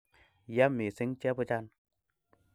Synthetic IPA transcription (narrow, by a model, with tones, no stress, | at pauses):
ja˦mːi˨si˦ŋt͡ʃɛ˦pu˧t͡ʃa˧n